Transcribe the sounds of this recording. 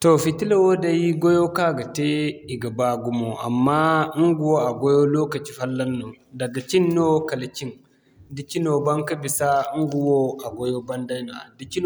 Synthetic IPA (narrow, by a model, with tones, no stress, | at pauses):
to˨fi˨ti˦la˨wo˦da˦ji˦ɡo˦jo˦ka˦˨ɡɐ˨te˦i˨ɡa˨ba˦ɡu˨mo˨ʔa̰˨mːa˦ŋɡu˨wo˦a˨ɡo˦jo˦lo˦kɐ˨t͡ʃi˨˦fa˦lːa˦nːo˨ | dɐ˨ɡɐ˨t͡ʃi˦nːo˦kɐ˨la˨t͡ʃi˦n | di˨ki˦no˨ba˦ŋkɐ˦bi˨sa˦ŋɡu˨wo˦a˨ɡo˦jo˦bɐ˦nda˦jna̰˨di˨ki˦n